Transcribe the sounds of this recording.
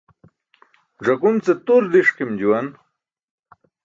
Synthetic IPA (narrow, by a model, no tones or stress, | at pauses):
ʐɐkunt͡set̪uɾd̪iʂkimd͡ʑuwɐn